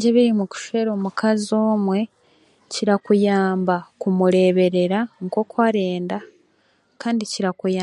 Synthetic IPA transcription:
ɲɟeβiɾimuku̥ʃe̞ɾo̞ːmukʰazo̞ːmwe̞ | ciɾakujaːmbakumuɾe̞ːβe̞ɾe̞ɾaŋko̞kwaɾe̞ːnda | kaːndiciɾakujaː

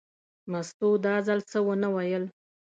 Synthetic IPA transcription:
mast̪od̪ɑzalt͡səwənawajəl

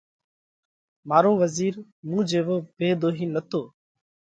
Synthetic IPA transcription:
maːɾõːʋəziːɾ | mũːd͡ʒeːʋoːbʱeːd̪oːɦiːnət̪ʰoː

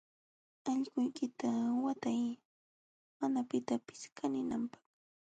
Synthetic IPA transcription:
ɑʎkʊjkɪt̪awat̪aj | manapɪt̪apɪ̥skʰanɪnampɑ̥χ

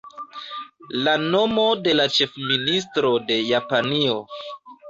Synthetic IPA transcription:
lano̞mo̞de̞lat͡ʃe̞fminis̬tɾo̞de̞japanio̞

